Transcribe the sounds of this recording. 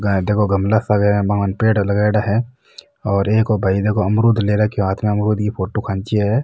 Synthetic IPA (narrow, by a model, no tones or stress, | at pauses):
ɡad̪eːkʰoɡɐmlasaɡbaənpeːɽlɐɡaːɽaɦɛ | ɔːɾeːkɔːbʱaid̪eːkʰoɐmɾuːd̪ʱleːɾakeɦaːt̪ʰmẽɐmɾuːd̪kipʰoːʈokʰãnt͡ʃiɦɛː